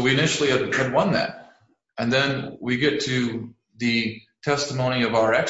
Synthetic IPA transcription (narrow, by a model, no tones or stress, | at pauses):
wiɨnɪʃl̩ˠiɨdɨd̚wʌ̃nðæ̰t̚ | ɨ̃nðɨ̃nwiɡɛtʰɨ | ðɨtʰɛstəmõʊ̃ñiʌvaʊə˞ɛk